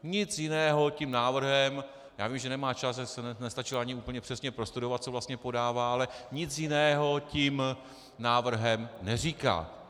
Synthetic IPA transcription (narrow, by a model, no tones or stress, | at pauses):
ɲɪt͡sjɪnɛːɦo̞cimnaːvr̩ɦɛm | jaːvimʒɛnɛmaːt͡ʃasʒasɛnɛnɛst̪at͡ʃɪlaɲɪuːpl̩ɲɛpr̝̥ɛsɲɛpɾo̞st̪udo̞vat̪̚t͡so̞vlast̪ɲɛpo̞daːvaːʔalɛɲɪt͡sjɪnɛːɦo̞cim | naːvr̩ɦɛmnɛriːka̰ː